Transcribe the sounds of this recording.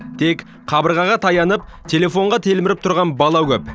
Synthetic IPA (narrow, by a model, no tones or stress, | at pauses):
t̪ʰe̞kʲ | qʰɑbəɾʁɑʁɑt̪ʰɑjɑnəp̚t̪ʰe̞le̞fo̞ɴʁɑt̪ʰe̞lmɪɾɪp̚t̪ʰʊɾʁɑnbɑlˠɑwkʲʰɵp